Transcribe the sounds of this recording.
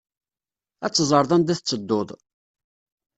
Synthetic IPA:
æt͡sːzˤəɾˤðˤænd̪æθət͡sːəd̪ːoðˤ

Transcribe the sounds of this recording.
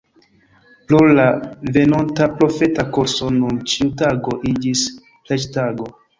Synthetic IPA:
plolave̞nontapɾo̞fe̞takoɾso̞nunt͡ʃiutaɡo̞ʔid͡ʒis | plet͡ʃtaɡo̞

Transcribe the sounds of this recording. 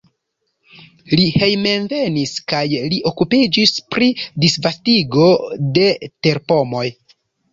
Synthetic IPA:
lihe̞jme̞nve̞niskajliʔo̞kupid͡ʒispɾidisvastiɡo̞de̞te̞ɾpo̞mo̞j

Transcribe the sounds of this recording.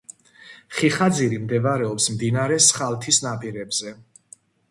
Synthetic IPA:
χiχad̪ziɾimd̪ɛvaɾɛɔpsmd̪inaɾɛsχalt̪ʰisnapʼiɾɛbzɛ

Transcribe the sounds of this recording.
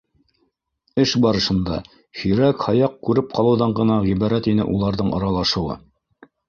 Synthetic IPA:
ɘʃbɑɾɤ̆ʃɤ̆nd̪ɑ̰ | hɵ̆jɾækhɑjɑq̚kʉɾɘp̚qɑlˠɤ̆wðɑɴɢɤ̆nɑʁiβɑɾæt̪inɘ̰ʔulˠɑɾðɤɴɑ̰ɾɑlˠɑʃɤ̆wɤ̰

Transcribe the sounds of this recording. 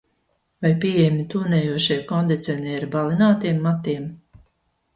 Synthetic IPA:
vajpʲijɛjmʲit̪uːnɛːjuɔʃijkɔnd̪it̪sʲɛnʲiɛiɾbalinaːt̪iɛmːat̪iɛm

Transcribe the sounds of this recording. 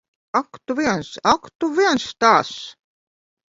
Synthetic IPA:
akt̪uviɛnsakt̪uviɛnst̪aːs

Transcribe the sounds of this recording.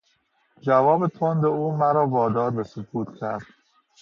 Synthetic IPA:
d͡ʒævɒːbe̞t̪ʰond̪euːmæɾɒːvɒːd̪ɒːɾbe̞sokʰuːt̪ʰcʰæɾd̪̥

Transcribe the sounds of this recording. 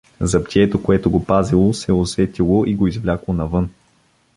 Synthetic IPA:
zɐpt̪ʲiɛt̪okoɛt̪oɡopazilˠosɛosɛt̪ilˠoʔiɡoizvlʲaklˠonɐvɤn

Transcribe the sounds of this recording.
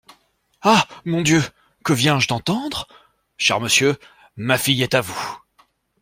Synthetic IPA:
amɔ̃d̪jø | kəvjɛ̃ʒd̪ɑ̃t̪ɑ̃d̪ʁ | ʃɛ̰ʁməsjø | mafijɛt̪avu

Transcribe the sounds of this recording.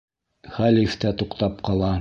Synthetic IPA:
χælift̪æt̪uqt̪ɑpqɑlˠɑ

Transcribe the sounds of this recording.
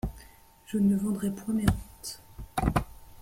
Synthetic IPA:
ʒ̥ənəvɑ̃d̪ʁɛpwɛ̃meʁũt̪

